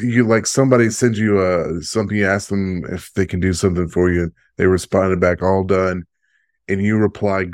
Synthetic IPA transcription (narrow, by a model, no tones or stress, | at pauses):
jɨlaɪksʌ̃mbɑɾisɛ̃nd͡ʒɨʌsʌ̃mθɪ̃ŋjɨæsk̚ðɨ̃mɪ̰fðeɪkʰn̩dɨsʌ̃mθɪ̃ŋfə˞jɨ | ðeɪɹɨspɑ̃ndɨd̚bækɔlˠdʌ̃n | ʔɨ̃njɨɹɨpʰl̥aɪ